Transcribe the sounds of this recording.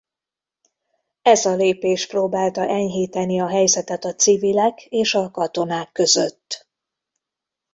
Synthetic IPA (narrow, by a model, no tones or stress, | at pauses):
ɛzɒleːpeːʃproːbaːlt̪ɒʔɛɲɦiːt̪ɛniɒɦɛjzɛt̪ɛt̪ɒt̪sivilɛkeːʃɒkɒt̪o̞naːkːø̞zø̰t̪ː